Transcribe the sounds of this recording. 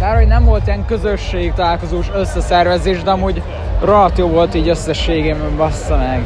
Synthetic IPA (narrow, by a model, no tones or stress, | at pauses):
baːrhoɟnɛɱvolt̪iɛŋkøzøʃːeːk̚t̪ɒlaːlkozoːʃøsːɛsɛrvɛzeːʒd̪ɛɒmuːɟ | rɒt̪joːvo̞lt̪iːɟøsːɛʃːeːɡeːbɛɱvɒst̪ɒmɛɡ